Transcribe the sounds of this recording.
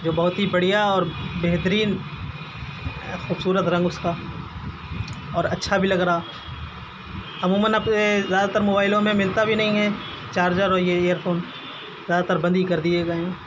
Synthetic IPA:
d͡ʒoːbɐɦʊt̪ɦibɐɽ̤ijaɔːɾbeɦt̪əɾiːn | xuːbsuːɾət̪ɾɐ̃ŋɡʊska | ɔːɾɐtːʃʰabʱilɐɡɾaaː | ɐmuːmənɐbsezjaːd̪at̪əɾmoːbaːɪlõmẽmɪlt̪abʱinɐɦĩɦɛː | t͡ʃaːɾd͡ʒaɾoːijeeːjəɾpʰoːn | zjaːd̪at̪əɾbɐ̃nd̪ikɐɾd̪ieɡɐẽ

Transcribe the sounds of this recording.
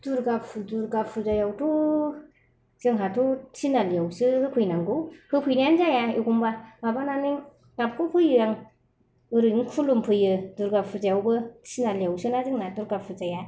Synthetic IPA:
d̥uɾɡapfduɾɡafʰuzajawtu | z̥ɯŋɦatut͡ʃinaljawsɯhɯkʰujnaŋɡuhɯkʰujnand͡ʒajaiɡumbababananiŋ | ɡap̚kʰupʰɯjɯjaŋ | ɯɾɯŋkʰulumpʰɯjɯduɾɡapfʰuzajawbɯt͡ʃʰinaliawsɯnazɯŋnaduɾɡafʰɯzaja

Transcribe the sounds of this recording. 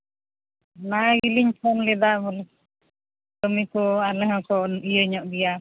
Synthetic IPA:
nailiɲpʰɔnlɛd̪amɔlɛ | tɔmikɔalɛɦɔkɔijəɲɔʔbija

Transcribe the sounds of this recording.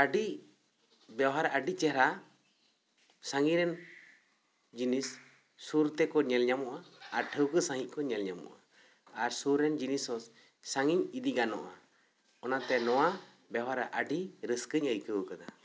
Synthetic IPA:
əɖi | bjawɦaɾaʔəɖit͡ʃɛɾa | saŋiɾɛn | d͡ʒinisː | uɾt̪ɛkɔɲɛlɲamɔʔaaɾʈʰəwkəsaŋiʔ̚kɔɲɛlɲamɔ̰ʔa | aɾsuɾɛnd͡ʒinisɔ | saŋiɲid̪iɡanɔ̰ʔa | ɔnat̪ɛnɔwa | bawɦaɾaʔəɖiɾəskəɲəjkəwəkad̪a

